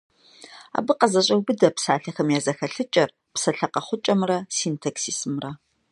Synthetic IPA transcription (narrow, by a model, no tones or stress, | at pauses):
a̰ːbɨqɐzɐɕ̬ʼɐwbɨdɐpsaːɬɐxɐmjaːzɐxɐɬɨt͡ʃʼɐr | psɐɬɐqɐχʷʊt͡ʃʼɐmrɐsiːntʰɐksiːsmrɐ